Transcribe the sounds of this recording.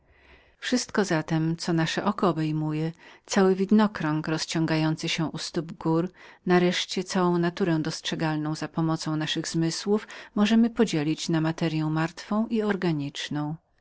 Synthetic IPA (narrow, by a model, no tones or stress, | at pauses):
fʂɘst̪kɔzat̪ɛmt̪sɔnaʂɛʔɔkɔːbɛjmujɛt̪sawɘvʲid̪nɔkɾɔŋkɾɔst͡ɕɔ̃ŋɡajɔnt̪sɘɕɛʔust̪ubɡuɾnaɾɛʂt͡ɕɛt̪sawɔ̃w̃nat̪uɾɛ̃w̃d̪ɔstʂɛɡalnɔ̃w̃zapɔmɔt̪sɔ̃w̃naʂɘɣzmɘswufmɔʐɛmɘpɔd͡ʑelʲit͡ɕnamat̪ɛɾʲjɛw̃maɾt̪fɔ̃w̃ʔiɔɾɡaɲit͡ʂnɔ̃w̃